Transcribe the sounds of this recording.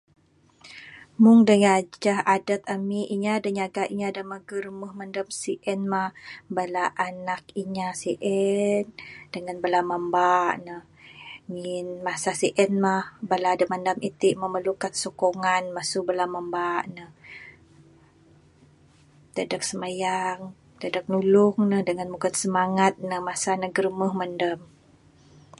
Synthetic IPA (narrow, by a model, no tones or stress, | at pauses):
mʊŋdəŋad͡ʒd͡ʒahadat̪̚amiʔiɲadəɲaɡaʔiɲadəməhɡərməhmandəmsiʔɛnmahbalaʔanakiɲasiʔɛnd̥əŋanbəlaməmbaʔnəh | ŋinmasasiʔɛnmahbaladəmandamʔit̪iʔməməlukansokoŋanmasʊbəlamambaʔnəh | d̪adak̚səmajaŋ | t̪adak̚nulʊŋnəhdəŋanmuɡat̪səmaŋat̪̚nəhmasanaɡəɾəməhmandəm